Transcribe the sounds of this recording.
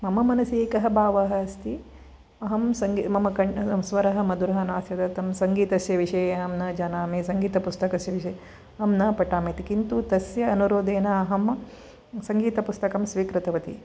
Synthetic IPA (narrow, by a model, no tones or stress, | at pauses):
mɐmɐmɐnɐseːkɐɦɐbʱaːʋɐɦɐɐst̪i | ɐɦɐmsɐŋɡmɐmɐkɐɳsʋɐɾɐɦɐ̆mɐd̪uɾɐɦɐnaːsjɐd̪ɐt̪ɐmsɐŋɡiːt̪ɐsjɐʋiʂɐjɐɐmnɐd͡ʒaːnaːmesɐŋɡiːt̪ɐpust̪ɐkɐsjɐʋiʃɐ | ɐmnɐpɐʈaːmeːt̪ikint̪ut̪ɐsjɐːnuɾoːd̪eːnɐɐɦɐm | sɐŋɡiːt̪ɐpust̪ɐkɐmsʋiːkɾɪt̪ɐʋɐt̪ḭ